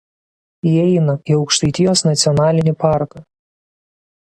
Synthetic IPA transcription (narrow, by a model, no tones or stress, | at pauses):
jiɛɪnɐiɒʊkʃt̪ɐɪt̪ʲɪjoːsnɐt̪sʲɪɔnɑːlʲɪnʲɪpɑˑɾkɐ